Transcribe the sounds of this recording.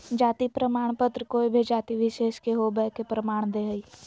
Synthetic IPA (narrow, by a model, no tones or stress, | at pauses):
d͡ʒaːt̪ipɾəmaːɳ̃pət̪ɾəkoːibʱid͡ʒaːt̪iʋɪʃeːʃkeɦoːbɛːkepɾəmaːɳ̃d̪eɦəiː